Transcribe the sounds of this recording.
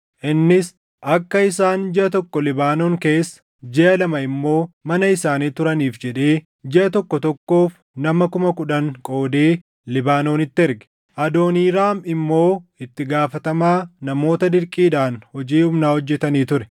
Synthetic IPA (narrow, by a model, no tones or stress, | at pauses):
ʔɪnːɪs | ʔɐkːɐɪsaːnd͡ʒɪʔɐt̪ɔkːɔlɪbaːnoːŋke̞ːsːɐ̥ | d͡ʒɛʔɐlɐmɐɪmːo̞ːmɐnɐɪsaːniːt̪ʊɾɐniːfd͡ʒɛᶑeː | d͡ʒɛʔɐt̪ɔkːɔt̪ɔkːo̞ːf | nɐmɐkʊmɐkʊᶑɐŋkʼo̞ːd̪eː | lɪbaːno̞ːnɪt̪ːɪɛɾɡɛ̥ | ʔɐd̪o̞ːniːɾaːmɪmːo̞ːɪt̪ːɪɡaːfɐt̪ɐmaːnɐmo̞ːt̪ɐd̪ɪɾkʼiːᶑaːnhɔd͡ʒiːhʊmnaːhɔd͡ʒːɛt̪ɐniːt̪ʊɾɛ